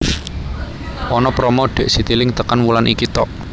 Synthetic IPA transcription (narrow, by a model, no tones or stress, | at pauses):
ʔɔnɔpɾɔmɔɖ̥ɛ̤ʔsit̪ilɪŋt̪əkanwulanʔikit̪ɔʔ